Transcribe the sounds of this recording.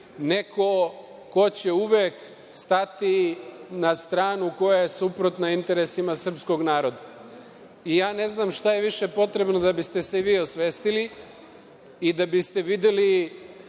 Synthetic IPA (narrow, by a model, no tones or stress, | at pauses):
ne̞kʰo̞ | ko̞t͡ɕe̞uʋeːk | st̪at̪inast̪ɾaːnuko̞jaje̞supɾot̪naint̪e̞ɾe̞simasr̩psko̞ɡnaːɾo̞d̪a | ijaːne̞znaːmʃt̪aje̞ʋiʃe̞po̞t̪ɾe̞bnod̪abist̪e̞seʋiːo̞sʋeːst̪ili | d̪abist̪e̞ʋid̪eli